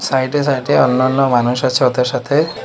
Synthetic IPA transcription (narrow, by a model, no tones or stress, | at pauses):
sajʈes̬ajʈeɔnːɔnːɔmanuʃat͡ʃʰɔɔt̪aɾsat̪ʰe